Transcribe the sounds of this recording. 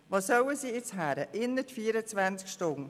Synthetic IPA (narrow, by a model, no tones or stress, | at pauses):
vɑːsœwəsiːɪt͡sɦæːɾəʔɪnːətfiːɾət͡svænt͡skʃtʊn